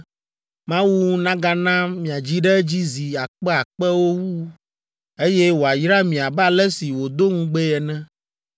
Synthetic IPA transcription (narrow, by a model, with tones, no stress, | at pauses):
mã˦wu˦nã˦ɡa˦nã˦mĩ˨a˨d͡ʑi˦ɖɛ˦d͡ʑi˦zi˨a˨k͡pɛ˦a˨k͡pɛ˦wo˦wu˦ | e˦jɛ˦wo˨a˨jɾa˦mĩ˨a˨ba˦lɛ˦si˨wo˨d̪o˦ŋũ˦ɡ͡bɛ˦jɛ˨nɛ̃˦